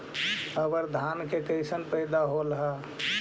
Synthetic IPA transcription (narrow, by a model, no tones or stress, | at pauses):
əbəɾd̪ʱankekəɪsənpəɪd̪aɦolɦa